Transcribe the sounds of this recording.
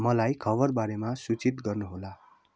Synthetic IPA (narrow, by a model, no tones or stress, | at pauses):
mʌlajkʰʌbʌrbaɾemasut͡sit̪ɡʌrnuɦola